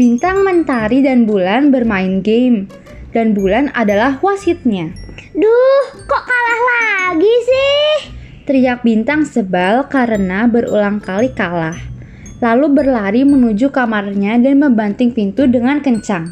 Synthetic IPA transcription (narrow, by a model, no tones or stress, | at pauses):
bint̪aŋmənt̪aɾidanbulanbərmaɪnɡem | d̥anbulana̰dalahwasʊt̪̚ɲadɔhkɔʔkalahlaɡisɪh | t̪əɾiak̚bint̪aŋsəbalkaɾənabəɾṵlaŋkalikalah | lalubərlaɾimənud͡ʒukamarɲadanməmbant̪ɪŋpint̪udəŋankəɲt͡ʃaŋ